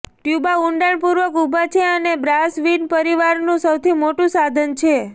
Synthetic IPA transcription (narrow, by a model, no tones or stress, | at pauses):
ʈjubauɳɖaɳpuɾʋəkubʱat͡ʃʰeənebɾasʋinpəɾiʋaɾnũsəwt̪ʰimoʈũsad̪ʱənt͡ʃʰe